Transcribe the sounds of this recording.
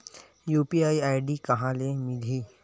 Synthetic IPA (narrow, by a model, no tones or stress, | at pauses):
juːpiaːiaːɪɖikɐɦãlemɪliː